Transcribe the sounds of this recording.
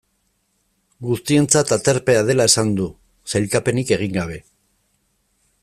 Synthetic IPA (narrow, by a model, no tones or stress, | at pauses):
ɡust̪ie̞nt͡sat̪at͡s̪eɾpe̞að̞e̞lae̞sand̪u | sajlkape̞nike̞ɣ̞iŋɡaβ̞e̞